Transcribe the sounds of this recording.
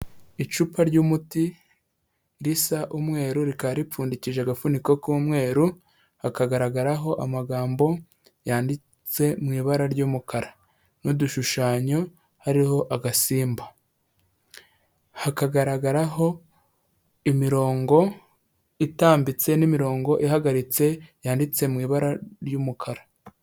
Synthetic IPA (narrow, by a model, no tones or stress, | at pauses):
it͡ʃupʰaɾɟuːmuti | ɾisaʔumŋe̞ːɾuɾikaɾip͡fuːndiciʒaɡafuniko̞kuːmŋe̞ːɾu | hakaɡaɾaɡaɾaɦo̞ʔamaɡaːmbo̞ | jaːndi | t͡se̞mŋiːβaɾaɾɟuːmukaɾa | nuduʃuʃaːɲo̞ | haɾiho̞ʔaɡasiːmba | hakaɡaɾaɡaɾaɦo̞ | imiɾo̞ːŋɡo̞ | itaːmbit͡se̞nimiɾo̞ːŋɡo̞ʔihaɡaɾit͡se̞jaːndit͡se̞mŋiːβaɾaɾjuːmukʰaɾa